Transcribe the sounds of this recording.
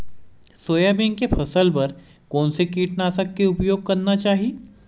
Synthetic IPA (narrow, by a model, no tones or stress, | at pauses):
soːjabɪ̃ŋɡkepʰɐsəlpɐɾ | kɔːnsekiːʈnaːsɐkːeʊpjoːɡ̚kɐɾnat͡ʃaːɦieː